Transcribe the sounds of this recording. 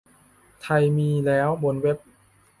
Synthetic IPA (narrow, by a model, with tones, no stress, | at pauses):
t̪ʰa˧jmiː˧lɛː˦˥wbo˧˦nwe˦˥p̚